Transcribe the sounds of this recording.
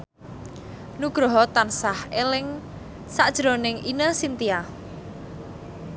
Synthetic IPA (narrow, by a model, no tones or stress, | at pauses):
nuɡ̥ɾɔɦɔt̪ansahelɪŋ | saʔd̥ʒ̥ɾonɪŋinəsint̪ia